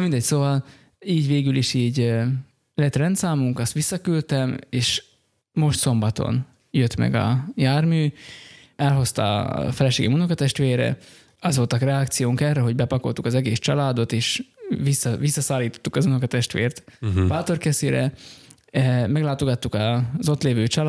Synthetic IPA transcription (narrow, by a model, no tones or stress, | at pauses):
mind̪ɛɟsoːvɒl | iːɟveːɡyliʃiːɟø | lɛt̪rɛnt̪saːmuŋkɒst̪ʋisːɒkylt̪ɛmeːʃ | mo̞ʃt̪so̞mbɒt̪o̞̰n | jøt̪mɛ̰ɡɒ̰jaːrmyː | ɛlɦo̞st̪ɒ̰fɛlɛʃeːɡɛmunokɒt̪ɛʃt̪ʋeːɾɛ̰ | ɒzvo̞lt̪ɒkrɛɒkt̪sijoːŋkɛrːɛɦo̞ɟbɛpɒko̞̰lt̪ukɒzɛɡeːst͡ʃɒlaːd̪o̞t̪eːʃʋisːɒʋisːɒsaːlːiːt̪o̥t̪ːukɒzunokɒt̪ɛʃt̪ʋḛːrt̪paːt̪o̞rkɛseːɾɛ̰ | mɛɡlaːt̪o̞ɡɒt̪ːukɒzo̞t̪leːvøːt͡ʃɒlː